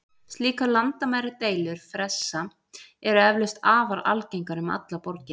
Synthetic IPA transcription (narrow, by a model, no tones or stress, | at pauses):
st̪liːkalant̪amaːjɾɪt̪eːjlʏɾ̥fɾɛsːa | ɛɾɛvlʏst̪aːvaɾa̰lcejŋkaɾʏma̰t̪lapɔɾcɪ